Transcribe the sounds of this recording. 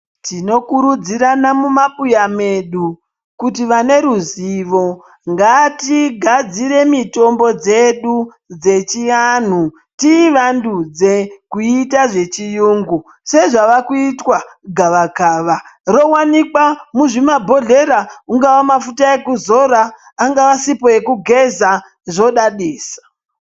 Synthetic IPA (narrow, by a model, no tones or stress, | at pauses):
tino̞kuɾud͡ziɾanamumapujame̞ɗu | kutiʋane̞ɾuziʋo̞ | ŋɡatiɡʱad͡ziɾe̞mito̞mbo̞d͡ze̞ɗu | d͡ze̞t͡ʃian̤u | tiʋandud͡zekuitaʐe̞t͡ʃijuːŋɡu | se̞ʐaʋakuitwaɡʱaʋakaʋaro̞wanikwamuʐimabʱo̞ɮe̞ɾauŋɡaʋamafutae̞kuzo̞ɾaː | ŋɡaʋasipoje̞kuɡʱeza | ʐo̞ɗaɗeːsḁ